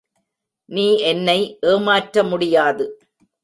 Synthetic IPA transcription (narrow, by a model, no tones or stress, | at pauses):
niːʔɛnːɐɪʔeːmaːʈɾɐmʊɽɪjaːðɯ